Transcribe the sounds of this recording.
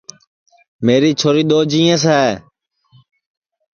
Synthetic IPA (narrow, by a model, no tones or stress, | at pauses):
meːɾiːt͡ʃʰoːɾiːɗ̪oːd͡ʒiːẽːs̬ɛː